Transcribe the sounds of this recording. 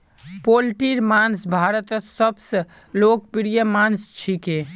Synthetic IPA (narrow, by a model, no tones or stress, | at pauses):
polʈiɾmansbʱaɾət̪ət̪səbsə | lokpiɾijəmanst͡ʃʰike